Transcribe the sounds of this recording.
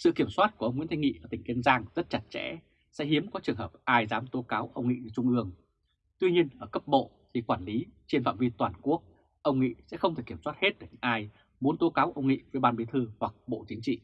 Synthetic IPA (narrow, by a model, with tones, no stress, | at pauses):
sɨ̰˧˨ki˧˩əmswaː˦˥t̚ku˧˩ʔə˧wŋ͡mḭ˧˥nt̪ʰŋḭ˧˨ʔəː˧˩t̪ï˩ŋ̟ki˧ənzaː˧ŋzə˦˥t̚t͡ɕa˨˩t̚t͡ɕɛ̰˧˥ | sɛ̰˧˥ɦi˨˦əmkɔ˨˦t͡ɕɨ˨˩əŋɦəː˨˩p̚ʔaː˧jzaː˨˦mt̪o˨˦kaː˨˦wʔə˧wŋ͡mŋḭ˧˨n˨˧˦t͡ɕʊ˧ŋ͡mʔɨ˧əŋ | t̪wi˧ɲi˧ənʔəː˧˩kə˦˥p̚ɓo̰˧˨ | t̪ʰi˨˩kwaː˧˩nli˨˦t͡ɕe˧nfa̰ː˧˨wvi˧t̪waː˨˩nku˦˥ək̚ | ʔə˧wŋ͡mŋḭ˧˨sɛ̰˧˥xə˧wŋ͡mt̪e˨˩kːəmswaː˦˥t̚he˦˥t̚kəː˧˩ɲɨ̰˧˦˥ŋʔaː˧j | mu˨˦nt̪o˨˦kaː˨˦wʔə˧wŋ͡mŋḭ˧˨və˨˦jɓaː˧nɓi˨˦t̪ʰɨ˧hwa˨˩k̚ɓo̰˧˨t͡ɕï˨˦ŋ̟t͡ɕḭ˧˨